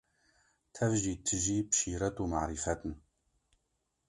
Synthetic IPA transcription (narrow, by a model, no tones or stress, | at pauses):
t̪ʰɐvʒiːt̪ʰɨʒiːbʃiːɾɐt̪uːma̰ʕɾifɛt̪n